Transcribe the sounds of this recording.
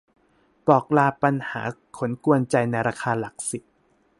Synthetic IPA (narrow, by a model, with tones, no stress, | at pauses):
pɔː˨˩k̚laː˧pa˧nhaː˩˦kʰo˩˦nku˧ənt͡ɕa˧jna˧jɾaː˧kʰaː˧la˨˩k̚si˨˩t̪̚